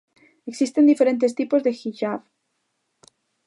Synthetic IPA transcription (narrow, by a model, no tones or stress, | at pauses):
eksist̪e̞nd̪ife̞ɾẽ̞nt̪̬e̞st̪ipo̞zðe̞xiʃaβ